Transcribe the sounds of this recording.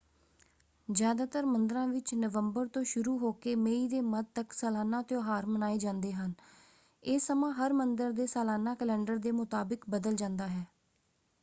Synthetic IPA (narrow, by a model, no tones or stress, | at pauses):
d͡ʒjaːd̪aːt̪əɾmənd̪ɾãːʋɪt͡ʃnəʋəmbəɾt̪õːʃʊɾuːɦoːkeːmeːiːd̪eːməd̪̚t̪əksəːlaːnãːt̪jõːɦaːɾmənaːeːd͡ʒãːnd̪eːɦən | eːsːəmãːɦəɾmənd̪əɾd̪eːsaːlaːnãːkəlɛ̃ːɳɖəɾd̪eːmʊt̪aːbɪkbəd̪əld͡ʒãːnd̪aːɦɛː